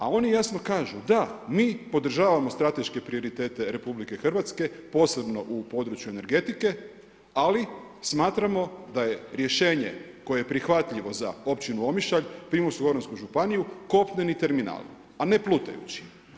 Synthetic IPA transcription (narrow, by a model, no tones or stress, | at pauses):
ao̞nijasno̞kaːʒud̪amiːpo̞d̪r̩ʒaːʋamo̞st̪ɾat̪e̞ʃke̞pɾio̞ɾit̪e̞ːt̪e̞ɾe̞publike̞xr̩ʋat̪ske̞po̞ːse̞bno̞ʔupo̞d̪ɾut͡ʃjuene̞ɾɡe̞t̪ike̞ | ali | smaːt̪ɾamo̞d̪aje̞ɾje̞ʃe̞ːɲḛ | ko̞jejepɾixʋat̪ʎiʋo̞za̰o̞pt͡ɕinuo̞miʃaʎpɾimosuɡo̞ɾonskuʒupanijuko̞pɲenit̪e̞ɾmina̰ːl | ane̞plˠut̪a̰jṵt͡ɕi̥